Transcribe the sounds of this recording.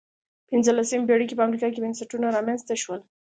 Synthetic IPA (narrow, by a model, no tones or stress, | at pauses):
pɪnzəlasembeɽikepəamɾikɑkebɪnsaʈunaɾɑmanzt̪aʃwəl